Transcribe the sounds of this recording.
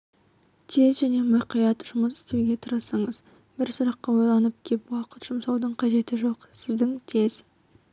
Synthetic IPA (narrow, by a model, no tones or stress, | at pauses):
t̪ʰe̞zʒæne̞mʊjqijɑt̪ʒʊməsɪ̥st̪e̞wɡʲe̞t̪ʰəɾəsɑɴəz | bɪɾsʊɾɑqːɑwo̞jlˠɑnəp̚kʲʰe̞pwɑqət̪ʒ̥ʊmsɑwd̪əɴqʰɑʒe̞t̪ɪʒo̞qsɪzd̪ɪŋt̪ʰe̞z